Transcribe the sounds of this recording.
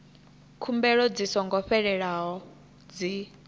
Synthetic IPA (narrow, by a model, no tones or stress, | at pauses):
kʰumbɛɺɔd͡zisɔŋɡɔɸɛɺɛɺaɦɔ | d͡zi